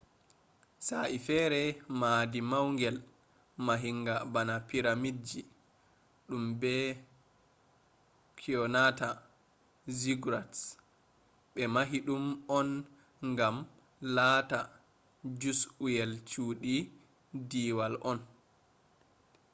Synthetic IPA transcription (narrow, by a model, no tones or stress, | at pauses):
saʔifɛːɾɛmaːdimawŋɡɛl | maɦiŋɡabanapiɾamid͡ʒi | ɗumbɛ | kʰiɔnata | ziɡɾats | ɓɛmaɦiɗumɔn | ŋɡam | lata | d͡ʒusujɛlt͡ʃuːɗi | diwalʔɔn